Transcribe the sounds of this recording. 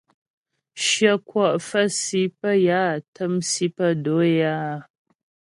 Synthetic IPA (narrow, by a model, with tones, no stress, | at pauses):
ʃjə˦kwɔ˨ʔfə˦si˦pə˦ja˦˨tʰə˦msi˦pə˦do˨˦jaː˦˨